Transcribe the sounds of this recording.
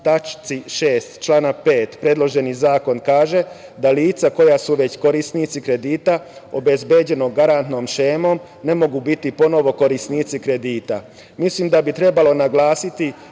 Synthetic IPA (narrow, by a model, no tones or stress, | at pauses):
t̪at͡ʃt̪siʃeːst̪t͡ʃlaːnape̞ːt̪pɾe̞d̪lo̞ʒe̞nizaːko̞nkaːʒe̞d̪aliːt̪sako̞jasuʋe̞t͡ɕko̞ɾisnit̪sikɾe̞d̪iːt̪ao̞be̞zbed͡ʑe̞no̞ɡaɾant̪no̞ːmʃeːmo̞m | ne̞mo̞ɡubit̪ipo̞no̞ʋo̞ko̞ɾisnit̪sikɾe̞d̪iːt̪a | mislimd̪abit̪ɾe̞balo̞naɡlˠaːsit̪i